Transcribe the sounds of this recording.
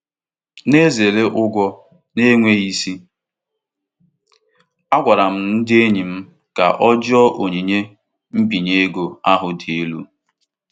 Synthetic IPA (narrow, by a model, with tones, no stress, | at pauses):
ne˦ze˨ɾe˦ʔʊ˦ɡʷɔ˦ | ne˦ŋʷe˦i˦si˦ | a˦ɡʷa˨ɾa˨m̩˦n̩˦dɪ˦e˦ɲi˨m̩˦ | ka̰˨ʔɔ˦d͡ʒɔ˦ʔo˨ɲi˨ɲe˦ | m̩˦bi˨ɲe˦ɡo˨a˦ɦʊ˨di˨e˦lu˦